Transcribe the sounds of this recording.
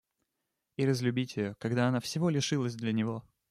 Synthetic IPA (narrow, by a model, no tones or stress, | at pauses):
iɾəzʲlʲʉbʲitʲɪjokɐɡd̪aɐnafsʲɪvo̞lʲɪʂɨlˠəzʲd̪lʲənʲɪvo̞